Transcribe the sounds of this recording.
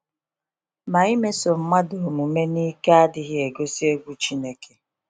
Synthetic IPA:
ma˨i˦me˦so˨m̩˦ma˦do˨mu˨me˦ni˦ka˦a˦dɪ˦ɣɪ˦e˨ɡo˦si˦e˦ɡʷu˦t͡ʃi˦ne˦ke̥˨

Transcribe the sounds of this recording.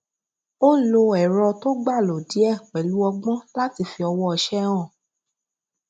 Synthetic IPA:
o˦lo˧ɛ˨ɾɔ˧to˦ɡ͡ba˦˨lo˨di˨˦ɛ˦˨k͡pɛ˨lu˨˦ɔ˧ɡ͡bɔ̃˦la˦ti˧fi˧ɔ˧wɔ˦ɔ˧ʃɛ̃˦ɔ̃˦˨

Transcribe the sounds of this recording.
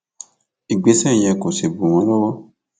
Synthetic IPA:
i˨ɡ͡be˧sɛ̃˦˨jɛ˧ko˨se˨bo˨w̃ɔ̃˧˦lɔ˦wɔ˦

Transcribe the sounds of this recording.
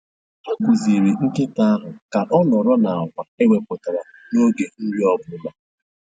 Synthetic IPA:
a˦ku˨zi˨ɾi˨ŋ̩˦kɪ˦ta˦a˦ɦʊ˨ka˨ʔɔ˦nɔ˨ɾɔ˦na˨a˨kʷa˨e˦we˦pʊ˨ta˨ɾa˨no˦ɡe˨n̩˦ɾi˦ɔ˦bʊ˨˦ma˨

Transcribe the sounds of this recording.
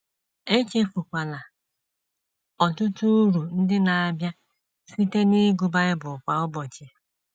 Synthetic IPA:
e˦t͡ʃe˦fu˨kʷa˨na˨ | ɔ˨tʊ˦tu˦ɾu˨n̩˦dɪ˦na˨a˨bja˦ | si˦te˦nɪ˦ɡu˨ba˦ɪ˦bʊ˨kʷa˨ʊ˦bɔ˨t͡ʃe˨

